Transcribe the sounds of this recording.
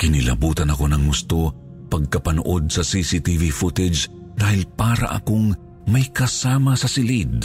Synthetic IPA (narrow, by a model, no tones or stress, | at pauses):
kɪnɪlɐ̰buːt̪ɐnɐko̞nɐŋːʊst̪o̞ | pɐɡ̚kɐpɐno̰ʔo̞d̪̚sɐsisit̪ivifut̪ɛd͡ʒ | d̪aːhɪlpaːɾɐ̰ʔɐ̰koŋ | mɐjkɐsaːmɐsɐsɪlid̪̚